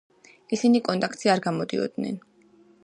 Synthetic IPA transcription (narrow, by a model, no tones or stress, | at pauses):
isinikʼɔnt̪ʼak̚ʰt̪ʼsiaɾɡamɔd̪ḭɔ̰d̪̚nɛ̰n